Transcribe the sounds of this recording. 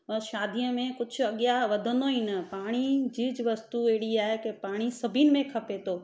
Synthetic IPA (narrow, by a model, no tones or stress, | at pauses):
ɐ̃ʃaːd̪ʱijə̃mẽkʊt͡ʃʰɐɠjaʋɐd̪ʱənd̪oinəpaːɽ̃id͡ʒiːd͡ʒʋɐst̪ueɦɽiaːɦekepaːɽ̃isɐbʱinɪ̆mẽkʰɐpet̪oː